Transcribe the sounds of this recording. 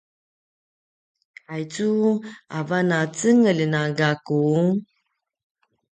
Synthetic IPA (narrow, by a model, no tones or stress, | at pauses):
ajt͡suavanat͡səŋələnaɡaku